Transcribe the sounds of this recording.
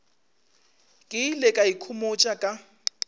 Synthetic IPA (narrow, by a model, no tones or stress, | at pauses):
kʼɪlɛkʼaikʰʊmot͡ʃʼakʼa